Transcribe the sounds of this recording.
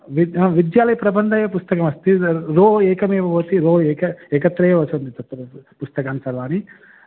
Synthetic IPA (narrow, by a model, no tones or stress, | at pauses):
ʋiʋid̪jaːlɐjɐpɾɐbɐnd̪ʱɐjɐpust̪ɐkɐmɐst̪iɾoːɛːkɐmeːʋɐboːt̪iɾoːeːkɐɛːkɐt̪ːɾɐjeʋɐsond̪it̪ɐt̪ːpust̪ɐkaːnsɐɾʋaːni